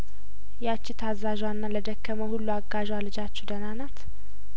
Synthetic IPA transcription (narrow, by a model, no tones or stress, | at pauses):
jat͡ʃːɪt̪ʰazːaʒwanːaləd̪əkːəməhulːuaɡːaʒwalɨd͡ʒat͡ʃːɛd̪ənanat̪